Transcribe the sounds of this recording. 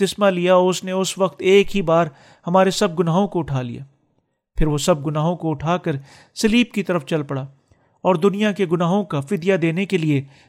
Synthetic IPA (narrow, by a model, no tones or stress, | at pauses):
t̪ɪsmalijaɔʊsneʊsʋɐqt̪eːkɦibaːɾ | hɐmaːɾesɐb̚ɡʊnaːɦõkoʊʈʰaːlḭja̰ː | pʰɪɾʋosɐb̚ɡʊnaːɦõkoʊʈʰaːkəɾ | sɐliːb̚kit̪ɐɾəft͡ʃɐlpɐɽaː | ɔːɾd̪ʊnijakeɡʊnaːɦõkafɪd̪jad̪eːnekelie